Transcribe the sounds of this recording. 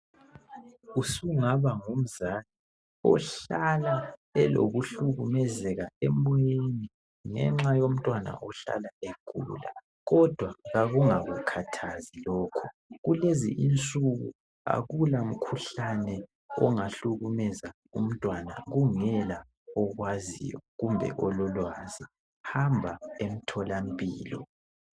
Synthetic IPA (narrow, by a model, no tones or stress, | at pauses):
usuŋaβaŋum̩zali | ɔ̰ɬalaɛlo̰ɣuɬuɣumɛzɛɣaɛmɔjeni | ŋɛ̰ŋ͡ǁajom̩tʼwana̰ʔɔɬa̰laeɡ̥ʱṵla̰ | ɣɔd̥ʱwaɣaɣuŋaɣukʰatʰazilɔːkʰɔ | ɣulezḭʔint͡sʼuɣṵ | a̰ɣulam̩kʰuɬanɛ | ɔŋaɬuɣumɛza | um̩tʼwana̰ɣuŋɛla | ɔɣwazḭjɔ̰ɣumbʱɛ̰ʔɔlɔlwaːzi | hambʱaem̩tʰɔlam̩pʼiːlɔ̰